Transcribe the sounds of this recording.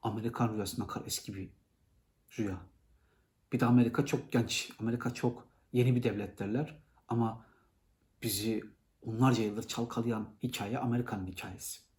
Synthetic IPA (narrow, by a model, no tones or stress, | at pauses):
ame̞ɾikʰanɾujasɯnakʰaɾɛscʰibi | ɾuja | b̥id̪ɛame̞ɾikʰat͡ʃʰo̞k̚ɟ̥ɛnt͡ʃame̞ɾikʰat͡ʃʰo̞k | je̞nibid̪ɛvlʲɛt̪ʰlʲæɾlʲæɾ̥ | ama | b̥izi | onlˠaɾd͡ʒajɯlˠɯɾt͡ʃʰalˠkʰalˠɯjanhicʰaːjɛʔame̞ɾikʰanɯnhicʰa̰ːjesi̥